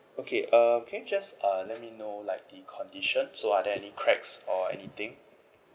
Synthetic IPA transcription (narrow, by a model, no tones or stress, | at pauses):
okʰeʔʌmkʰɛ̃njud͡ʒasʌlɛt̚minolaɪk̚dikʰɔ̃ndiʃə̃nsoadɛɛnikʰɹɛksɔɛ̰nit̪ɪ̃ŋ